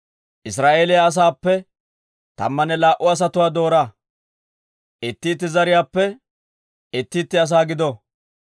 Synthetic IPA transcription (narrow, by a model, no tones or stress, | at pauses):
ʔɪs̬ɾaːʔeːlɪjaːs̬aːpːɛ | t̪ɐ̰mːɐnɛlaːʔʊɐs̬ɐt̪ʊwaːd̪o̞ːɾaː | ʔɪt̪ːiːt̪̬ːɪzɐɾɪjaːpːɛ | ɪt̪ːiːt̪ːɪɐs̬aːɡɪd̪ɔ